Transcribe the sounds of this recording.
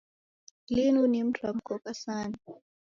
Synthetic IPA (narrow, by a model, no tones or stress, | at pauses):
linunim̩tʰwam̩kɔkasani